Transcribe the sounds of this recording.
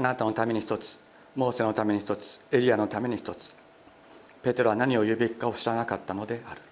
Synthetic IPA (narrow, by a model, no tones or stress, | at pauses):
anat̪ano̞t̪ame̞ɲ̟içi̥t̪o̞t͡sɨ̥ | mo̞ːse̞no̞t̪ame̞ɲ̟içi̥t̪o̞t͡sɨ̥eɾʲiano̞t̪ame̞ɲ̟içi̥t̪o̞t͡sɨ̥ | pe̞t̪e̞ɾo̞βanaɲ̟io̞jɯ̟ːbʲikːao̞ɕiɾanakat̪ːano̞d̪e̞aɾɯ̟̥